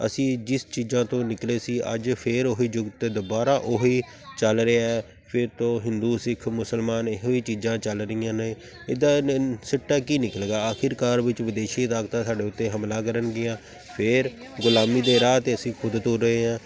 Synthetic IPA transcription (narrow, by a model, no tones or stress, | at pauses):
ə̰sĩːd͡ʒɪst͡ʃiːzãːt̪õːnɪkleːsiːʔə̰d͡ʒpʰɪɾoɦiːd͡ʒʊɡt̪ːd̪ʊbaːɾaːʔoɦiː | t͡ʃəlɾeaːɛː | pʰɪɾt̪õːɦɪnd̪uːsɪkʰmʊsəlmaːnɪɦoːiːt͡ʃiːzãːt͡ʃəlɾɪjãːneː | ɪd̪aːsəʈːaːkiːnɪkəlɡaːaːkʰɪɾkaːɾʋɪt͡ʃʋɪd̪eːʃiːɪt̪aːkt̪ãːsaːɖeːʊt̪ːeːɦəmlaːkəɾənɡɪjãː | pʰɪɾɡʊlaːmiːd̪eːɾaːt̪eːəsĩːkʰʊd̪t̪oɾːəɦeːɦãː